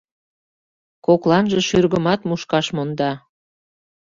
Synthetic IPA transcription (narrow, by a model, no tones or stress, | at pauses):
koklɑnʒəʃyrɣəmɑt̪muʃkɑʃmond̪ɑ